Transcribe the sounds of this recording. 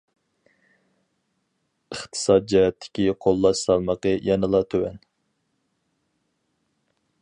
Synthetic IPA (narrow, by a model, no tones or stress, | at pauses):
əχt̪ʰɨ̥sɑt̪̚d͡ʒɛɦɛt̪ʰːɪ̥kʲiqʰolˠːɑʃsɑlˠməqəjʔɑnɨlˠɑt̪ʰøwɛ̰n